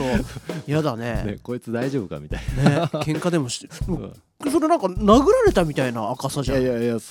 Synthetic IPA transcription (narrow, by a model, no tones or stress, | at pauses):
ojad̪ane̞neko̞it͡sɨd̪aiʑo̞ːbɯka̰mʲit̪ainnekẽ̞ŋkad̪e̞mo̞ɕmo | soɾenãŋkanaɡɯ̟ɾaɾe̞t̪amʲit̪ainaːkasaʑa